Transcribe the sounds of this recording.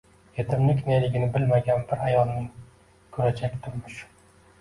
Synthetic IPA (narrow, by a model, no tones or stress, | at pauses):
jet̪ʰɪmlɪkʲnelɪɡʲɪnɪbɪlmaɡʲanbɪɾajɒlˠnɪ | kʰʊɾad͡ʒʰakʲt̪ʰʊɾmɪʃ